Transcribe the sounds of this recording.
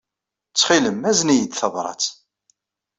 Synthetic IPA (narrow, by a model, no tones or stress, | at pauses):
t͡sːχiləmæznijəd̪θəðɾˤɑ̰t͡s